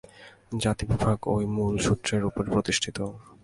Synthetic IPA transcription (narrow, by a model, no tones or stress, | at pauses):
d͡ʑat̪ibibʱaɡojmulʃut̪ːɾeɾupoɾepɾot̪iʃʈʰit̪o